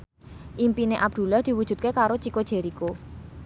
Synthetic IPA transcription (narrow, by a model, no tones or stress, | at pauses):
ʔimpineʔab̚d̪̥ṳlahd̪̥i̤wud̥ʒ̥ṳt̪̚kekaɾot͡ʃikod̥ʒ̥e̤ɾiko